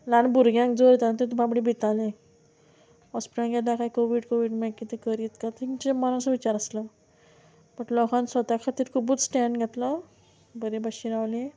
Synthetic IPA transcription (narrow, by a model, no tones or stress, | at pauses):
lanbuɾɡjãŋkd͡zoɾit̪anat̪et̪ubabɽibʱit̪alẽ | ɔspiʈãŋɡʱɛt̪lakaikoʋiɖkoʋiːɽmekit̪ekəɾit̪kat̪it͡ɕemaɾũsʋit͡ɕaɾəslə | bəʈlɔkãnsʋət̪akʰat̪iːɾkʰubuːt͡ssʈɛ̃ɳɖɡʱɛt̪lə | bəɾebaɕiɾawle